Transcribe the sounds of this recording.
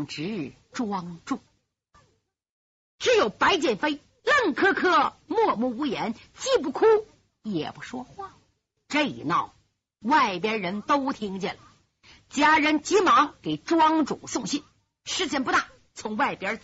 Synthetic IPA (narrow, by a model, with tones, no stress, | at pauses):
ŋʈ͡ʂɻ̩˧˥˨ | ʈ͡ʂwɑ˥ŋʈ͡ʂu˥˩ | ʈ͡ʂɻ̩˧˥jo˨˩ʊpa˧˥ɪt͡ɕjɛ˥˩nfe˥ɪ | lə˥˩ŋkʰɤ˥kʰɤ˥mwɔ˥˧mu˥˩u˧˥jɛ˧˥n | t͡ɕi˥˧p̬u˥˩kʰu˥ | jɛ̰˨˩pu˧˥ʂwɔ˥xwa˥˩ | ʈ͡ʂɤ˥˧˩ḭ˨˩nɑ˥˩ʊ | wa˥˩ɪpjɛ˥ɻə˧˥nt̪o˥ʊt̪ʰi˥ŋt͡ɕjɛ˥˩nlə˩ | t͡ɕja˥ɻə˧˥nt͡ɕi˧˥mɑ˧˥ŋke˨˩ɪʈ͡ʂwɑ˥ŋʈ͡ʂu˨˩sʊ˥˧ŋɕi˥˩n | ʂɻ̩˥t͡ɕʰjɛ˧˥npu˧t̪a˥˩ | t͡sʰʊ˧˥ŋwa˥˩ɪpjə˥